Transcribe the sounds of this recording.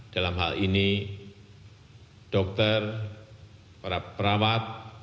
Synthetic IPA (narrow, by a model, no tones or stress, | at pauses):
d̥alamɦa̰lini | d̥ɔk̚t̪ər | pɾapɾawat̪̚